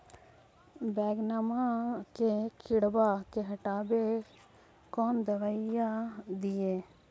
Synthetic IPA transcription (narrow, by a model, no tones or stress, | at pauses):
bɛːɡnamakekʰɪɽbakeɦəʈaːbe | kɔːnd̪əʋəɪjad̪ijeː